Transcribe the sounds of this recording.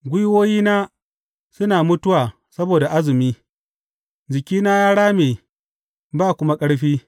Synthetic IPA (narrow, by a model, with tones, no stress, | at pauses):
ɡʷʊ˦jwoː˦jiː˦naː˦ | sʊ˦naː˨mʊ˦tʊ˦waː˨ | sɐ˦boː˨da˨ʔa˦zɪ˨miː˦ | d͡ʒɪ˨kʲiː˦naː˦jaː˦ɽaː˦meː˨ | baː˦˨kʷʊ˦ma˦kʼɐ˦ɽɸiː˦